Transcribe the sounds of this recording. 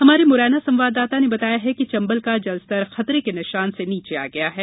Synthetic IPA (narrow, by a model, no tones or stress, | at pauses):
hɐmaːɾemʊɾɛːnasɐ̃mʋaːd̪aːt̪anebɐt̪aːjaɦɛket͡ʃɐ̃mbəlkad͡ʒɐlzt̪ɐɾxɐt̪ɾekenɪʃaːnseniːt͡ʃea̰ɡɐjaɦɛː